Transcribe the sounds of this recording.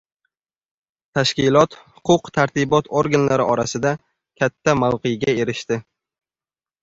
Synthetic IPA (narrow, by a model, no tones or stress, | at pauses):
t̪ʰaʃkʲɪlˠɒt̪hʊ̥qʰʊqt̪ʰaɾt̪ʰɪbɒt̪ʰoɾɡʲanlaɾɪʔɒɾasɪd̪a | kʲʰat̪ʰːamawqejɡʲae̞ɾɪʃt̪ɪ